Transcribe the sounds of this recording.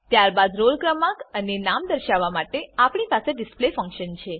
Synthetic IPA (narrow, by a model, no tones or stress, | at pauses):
t̪jaɾbad̪ɾolkɾəmakənenamd̪əɾʃaʋːamaʈeapɳipaseɖɪsplefə̃ŋkʃənt͡ʃʰe